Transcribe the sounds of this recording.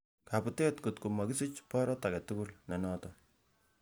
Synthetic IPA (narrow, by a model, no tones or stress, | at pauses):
kaputetkutkumakisit͡ʃpɔɾɔtakɛtukulnɛnɔtɔ